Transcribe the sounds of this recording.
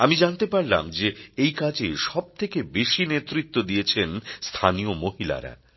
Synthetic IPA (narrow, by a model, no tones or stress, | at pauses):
amid͡ʑant̪epaɾla̰md͡ʑeejkad͡ʑeʃɔb̚t̪ʰekebeʃinet̪ːɾit̪ːod̪iet͡ɕʰenst̪ʰaniomoɦila̰ɾa̰